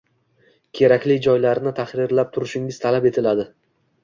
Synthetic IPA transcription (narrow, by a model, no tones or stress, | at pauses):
kʲʰe̞ɾakʲlɪd͡ʒɒjlaɾɪnɪt̪ʰaχɾɪɾlap̚t̪ʰʊɾɪʃɪŋɪzt̪ʰalape̞t̪ʰɪlad̪ɪ